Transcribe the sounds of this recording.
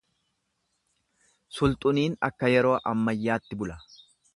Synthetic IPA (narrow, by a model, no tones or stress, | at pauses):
sʊlt̪ʼʊniːnɐ̰kːɐjɛɾo̞ːʔɐmːɐjːaːt̪ːɪbʊlɐ